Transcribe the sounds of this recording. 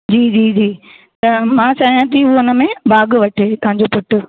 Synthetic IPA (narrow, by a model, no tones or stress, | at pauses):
d͡ʑiːd͡ʑiːd͡ʑiː | t̪ɐmãːt͡ɕaːɦijãt̪̬iʊoʊnə̆mẽbaːɡʋɐʈʰeːt̪ɐɦãɲd͡ʑopʊʈʊ̆